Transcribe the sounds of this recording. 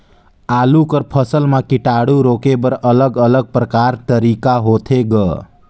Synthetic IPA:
aːlukəɾpʰəsəlmãkiʈaɽuɾokebəɾələɡələɡ̚pɾəkaɾt̪əɾikaɦot̪ʰeɡə

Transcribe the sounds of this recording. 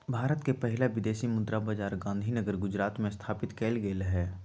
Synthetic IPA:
bʱaːɾət̪kepɛɦɪlaʋɪd̪eːsimʊd̪ɾabad͡ʒaːɾɡãːnd̪ʱinəɡəɾɡʊd͡ʒɾaːt̪mẽst̪ʰaːpɪt̪keːlɡeːlɦɛː

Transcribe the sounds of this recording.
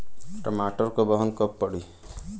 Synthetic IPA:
ʈamaʈɔɾkɔbɔɦɔnkɔpːɔɽi

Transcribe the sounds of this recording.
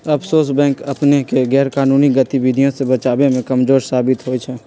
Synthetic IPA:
ɐpʰsoːsbɛ̃ːŋkɐpnekeɡɛːɾkaːnuːniɡət̪iwɪd̪ʱijõsebət͡ʃaːbemẽkəmzoːɾsaːbɪt̪ɦoːit͡ʃʰɛː

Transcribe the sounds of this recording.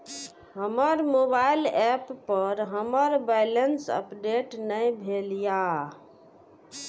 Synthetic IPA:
ɦəməɾmobajlɛpːəɾɦəməɾbajlənsə̰pɖeʈnəjbʱelja

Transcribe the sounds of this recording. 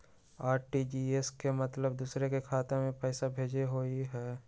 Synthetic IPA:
aːɾʈid͡ʒiːeskemɐt̪ləbd̪uːsɾekekʰaːt̪ẽmẽpɛːsabʱeːd͡ʒeɦoːiɦɛː

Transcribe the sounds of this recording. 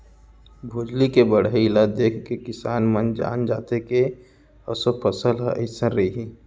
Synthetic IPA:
bʱʊːd͡ʒlikebəɽ̤lad̪eːkʰkekɪsaːnmənd͡ʒa̰ːnd͡ʒaːt̪eke | ɔsopʰəsəlɦə̰ɪsəɾɾɐiɦi

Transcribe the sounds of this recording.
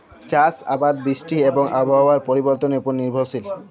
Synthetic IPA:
t͡ɕasa̰bad̪̚bɾiʃʈieboŋʔabʱaaɾpoɾiboɾt̪onepuɾniɾbʱosil

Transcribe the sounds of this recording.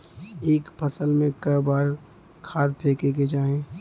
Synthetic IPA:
eːkpʰəsəlmẽkɐɾbaːɾ | kʰaːt̪pʰeːkeked͡ʒaːɦẽː

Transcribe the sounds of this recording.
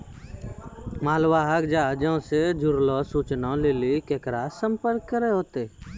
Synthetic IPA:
maːlʋaɦəkd͡ʒaːd͡ʒə̃ʊ̃sed͡ʒʊɾlɔsuːt͡ʃnãlelikeːkɾasə̃mpəɾkːəɾeɦoːt̪e

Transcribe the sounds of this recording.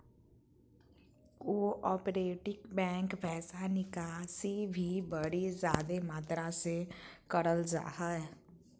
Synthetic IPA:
oːʔɔːpɾeːʈɪkbɛ̃ːŋkpɛːsanɪkaːsibʱibəɽizjaːd̪emaːt̪ɾãsekəɽəld͡ʒa̰ːɦəɛ

